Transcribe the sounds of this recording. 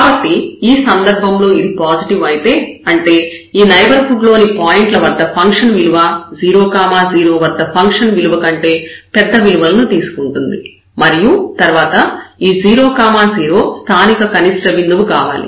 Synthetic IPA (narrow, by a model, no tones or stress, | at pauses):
kaːbɐʈːiiːsɐnd̪ɐɾbʱɐmlo̞ːid̪ipaːd͡ʒiʈiʋɐjit̪e̞ːɐɳʈe̞ːiːnɐjbɐɾpʰuɖlo̞ːnipaːjiɳʈlɐʋɐd̪ːɐpʰɐŋkʂɐnʋiluʋɐd͡ʒiːɾo̞ːkaːmaːd͡ʒiːɾo̞ːʋɐd̪ːɐpʰɐŋkʂɐnʋiluʋɐkɐɳʈe̞ːpɛd̪ːɐʋiluʋɐlɐnut̪iːsu̥kuɳʈund̪i | mɐɾijut̪ɐɾʋaːt̪ɐiːd͡ʒiːɾo̞ːkaːmaːziːɾo̞ːst̪ʰaːnikɐkɐnisʈɐʋind̪uʋukaːʋa̰ːlḭ